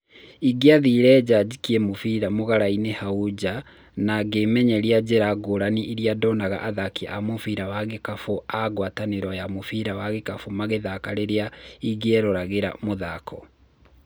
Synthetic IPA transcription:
iɡeaðiːɾɛːd͡ʑad͡ʑikiɛmofiɾamoɣaɾainehaud͡ʑa | naɡemɛɲɛɾiad͡ʑɛɾaɡoɾaniʔiɾiadɔnaɣa̰ʔaðakiʔamofiɾawaɣekafoaɣwataneɾɔjamofiɾawaɣekafomaɣeðakaɾeɾeaiɡɛɾoɾaɣeɾa̰moðakʰɔ

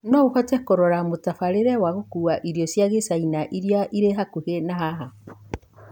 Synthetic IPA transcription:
nɔuhɔtɛkoɾɔɾamotafaɾeɾɛwaɣokuaʔiɾjɔsjaɣesainaʔiɾjaʔiɾeɦakuhenaɦaɦa

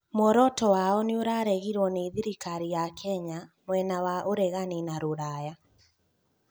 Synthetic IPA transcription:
mɔɾɔtɔwaɔneoɾaɾɛɣiɾwɔneðiɾikaɾijakʰɛɲamwɛnawaʔoɾɛɣaninaɾoɾaja

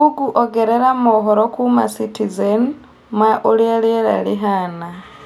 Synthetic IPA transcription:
uɡuʔoɡeɾeɾamoɦoɾokuma̰sitizen | mwaʔulialeɾa̰liɦana

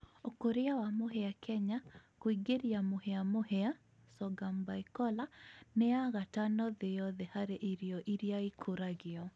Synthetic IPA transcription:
okoɾeawamoɦɛakʰɛɲakoiɡeɾjamohɛamohɛa | sɔɡambaikɔlanɛaɣatanɔðejɔðehaɾeʔiɾjɔʔiɾiaikʰoɾaɣɪɔ

